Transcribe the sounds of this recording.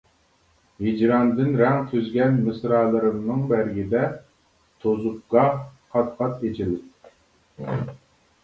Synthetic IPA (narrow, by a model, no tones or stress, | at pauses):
hid͡ʒɾɑnd̪ɪnɾɛŋt̪ʰyzɡʲɛnmɨsɾɑːlˠɨɾɨmnɨŋbæɾɡʲid̪ɛ | t̪ʰozup̚ɡɑqʰɑt̪qʰɑt̪et͡ʃʰilɪt